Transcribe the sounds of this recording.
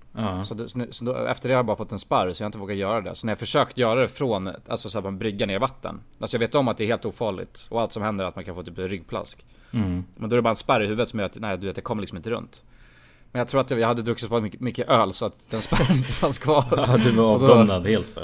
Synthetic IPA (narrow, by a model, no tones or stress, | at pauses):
sɔd̪nsɔd̪ɔɛ̰ft̪əɖɛjhajabɑɾafɔt̪ːɛnspaɾːsɔjahaɪt̪əvoːɡat̪jœːɾad̪ɛ̰sɔnæɾjɑfœʂøːkt̪jœːɾad̪ɛfɾɔna̰lsɔsaːɾmabɾʏɡːaneːɾvat̪ʰːə̰nʔalsɔjɑveːt̪ɔmːat̪̚d̪ɛːɾheːlt̪uːfɑːɭɪ̰ɡt̪ɔalt̪sɔmhɛnd̪əɾat̪mankʰanfoːt̪yːpɛnɾʏɡːpʰla̰sk | mɛnd̪ɔɛæɾɛbɑːɾaɛnspaɾːɪhʉ̟ːvət̪sɔmjœːɾat̪næɪd̪ɵveːt̪jakʰɔmːəɭɪksɔmɪnt̪əɾɵ̰nt̪ | mɛnjaɡt̪ʰuːɾat̪d̪ɛjɑhad̪ːəd̪ɾɵksɪt̪pʰmʏkːəʔœːlsɔat̪d̪ɛnspaɾnɪnt̪əfanskʰvɑːd̪ɵvɑːvd̪ɔɔmnad̪heːlt̪